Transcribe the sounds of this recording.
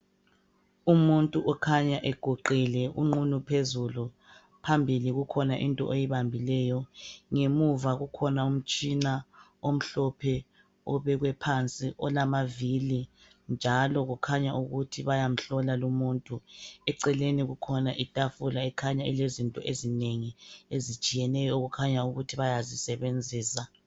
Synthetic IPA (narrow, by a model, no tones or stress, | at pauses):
umuntʼuʔɔkʰaɲaʔɛɡ̥ʱoǃilɛʔṵŋ͡ǃunupʰezulu | pʰambʱiliɣukʰɔnaʔintʼɔ̰ʔejiβambʱilɛjɔŋemuvaɣukʰɔnaum̩t͡ʃʼina | om̩ɬɔpʰɛ | ɔβɛɣwɛpʰant͡sʼiʔɔlamavili | nd͡ʒʱalɔɣukʰaɲaʔuɣutʰiβajam̩ɬɔlalumuːntʼuɛǀɛleniɣukʰɔnaʔitʼafulaɛkʰaɲaḭlezintʼɔ̰ʔezineŋiezit͡ʃʼijɛnɛjɔoɣukʰaɲauɣutʰiβajazisɛβend͡zʱiːsa